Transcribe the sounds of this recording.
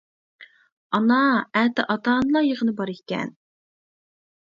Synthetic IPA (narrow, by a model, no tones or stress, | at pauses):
ɑnɑæːt̪ɪ̰ʔɑt̪ɑːnɨlˠɑjəʁənɨbɑɾekʲɛ̰n